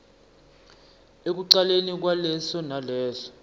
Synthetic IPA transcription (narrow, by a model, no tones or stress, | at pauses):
ek̬uǀalenik̬walɛsɔnalɛːzɔ̥